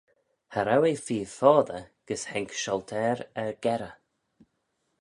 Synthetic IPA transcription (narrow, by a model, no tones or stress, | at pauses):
haɾawefiːfɔːðəɡ̥əshɛŋkʃɔlt̪ʰɛːɾɛɹɡɛɾə